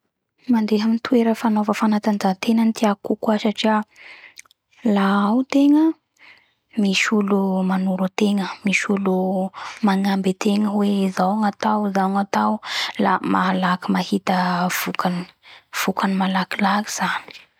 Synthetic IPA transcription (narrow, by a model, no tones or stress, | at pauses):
mand̪eɦamint̪ʰueɾəfanovəfanat̪and͡zat̪enənt̪iakukwasaʈ͡ʂia | laawt̪eŋə | misulumanuɾut̪eŋəmisulumaŋambet̪eŋəweizawŋat̪awizaŋat̪awlamalakimahit̪əv̥ukani̥v̥ukanimalakilaki̥z̥ani̥